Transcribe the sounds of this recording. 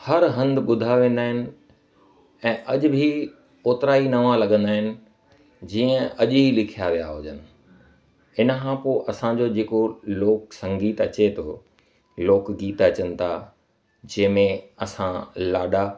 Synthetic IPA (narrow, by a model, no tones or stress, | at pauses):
hɐɾɦɐ̃nd̪ɓʊd̪ʱaʋẽːn̆d̪aːɦɪnɪ̆ | ɛ̃ːʔɐʄʊ̆bʱi | oːt̪ɪɾaːinɐʋãlɐɡə̃nd̪aːɦɪnɪ̆ | d͡ʑiːə̃ɐʄlɪkʰijaʋija̰ɦʊd͡ʑənɪ̆ | ɪnəkʰãpoːʔɐsãd͡ʑoːd͡ʑeːkoloːksɐ̃ŋɡiːt̪ɐt͡ɕet̪ʰo | loːkɡiːt̪ɐt͡ɕənɪ̆t̪ʰa | d͡ʑɐ̃ːmẽɐsãlaːɗa